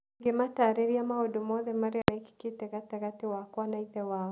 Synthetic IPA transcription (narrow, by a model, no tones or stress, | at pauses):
ɡemataːɾɛɾijamaodumɔðɛmaɾiamaiki̥ketɛɣatɛɣatewakwanaiðɛwa